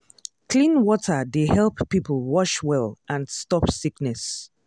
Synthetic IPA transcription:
kʰlĩnwɔtʰədehɛlˠpːipʰəl̩ˠwɔʃwɛlˠʔãnstɔpsiknɛs

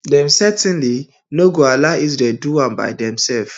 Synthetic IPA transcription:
dɛ̃msɛtɛ̃nli | noɡoalaizdɛduãnba̰ɪdɛ̃msɛlf

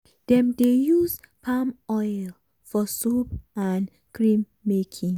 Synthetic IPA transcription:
d̥ɛ̃mdejuzpʰãmɔjl | fɔsupãn | kɹĩmːekʰĩŋ

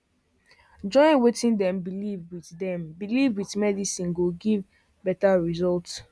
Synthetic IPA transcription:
d͡ʒɔ̃ɪ̃nwetĩndɛ̃mbilivwiθdɛ̃mbilivwiθmɛdisĩnɡoɡiv | bɛtaɹizɔlts

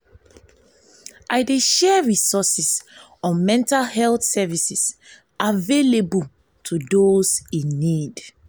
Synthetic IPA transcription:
ʔaɪdeʃɛɹisɔsis | ɔ̃mɛ̃ntalhɛlθsɛvisis | ʔavelebul | tʰudozĩnːid

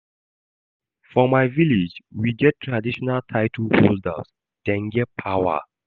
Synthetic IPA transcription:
fɔmaɪvilid͡ʒwiɡɛtʰːɹadiʃɔnaltʰaɪtʰəhosda̰s | d̥ɛ̃nɡɛpʰawə̰

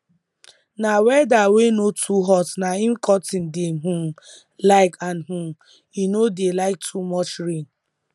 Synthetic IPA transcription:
nawɛdawenotʰuɦɔtnaĩn̩kʰɔtĩn̩deɦũm | laɪkanɦũm | inodelaɪk̚tʰumɔt͡ʃɾĩŋ

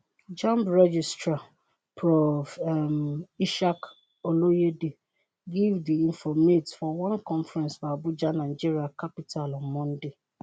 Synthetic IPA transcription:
d͡ʒãmpɹɛd͡ʒistɹa | pʰɹɔfmiʃak | olojede | ɡivdiĩɱfɔmetfɔwãnkʰɔ̃nfɹɛ̃nsbabʊd͡ʒanãd͡ʒiɾiakʰapitʰalɔmmːɔ̃ndɪ

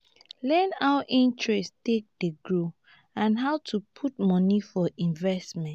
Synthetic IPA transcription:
lɛ̃naʊəʔĩntʰɹɛstek̚d̥eɡɹo | ãnɦaʊtʰupʰut̚mɔnifɔʔĩnvɛstmɛ̃nt

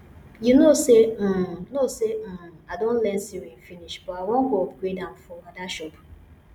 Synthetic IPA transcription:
junosenoseadõn̩lɛnsiɾinfiniʃb̥ɔawõŋ̩ɡoɔbɡedãmfɔwadaʃɔp

